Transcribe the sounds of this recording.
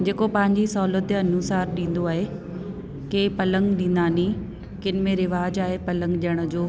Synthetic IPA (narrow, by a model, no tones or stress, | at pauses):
d͡ʑeːkopɐ̃ɦɪ̃ɲd͡ʑisɐɦulət̪eɐnusaːɾɗĩːn̆d̪oaːɦe | keːpɐlə̃ŋɡɗĩːnd̪aːni | kɪnɪ̆mẽɾɪʋaːd͡ʑaːɦepɐlə̃ŋɡɗiəɽ̃ʊ̆d͡ʑoː